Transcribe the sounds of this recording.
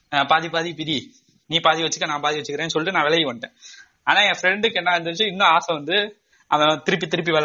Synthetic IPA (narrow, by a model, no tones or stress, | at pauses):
apaːðipaːðipɪɾi | niːpaːðiʋɐt͡ʃːɯkːɐnãːpaːðiʋɐt͡ʃːɯkɪɾẽːnːɯsɔlːɪʈːɯnãːʋɛɭɐjɛkɐɳʈːḛ̃ː | aːnaːẽːfɾɛɳɖɯkːɛnːaːɪnd̪ɐɾt͡ʃːɐ̃ɪnːɐ̃aːsɐ̃ʋɐnd̪ɯ | ʔɐnɐt̪ɪɾɯp̬ːit̪ɪɾɯpːiʋɐl